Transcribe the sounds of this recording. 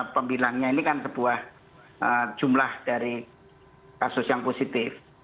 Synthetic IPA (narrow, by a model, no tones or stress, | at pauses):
pəmbilahɲainikansəb̥uah | ʔə̥d͡ʒ̥umlahd̥aɾi | kasʊsjaŋposit̪ɪf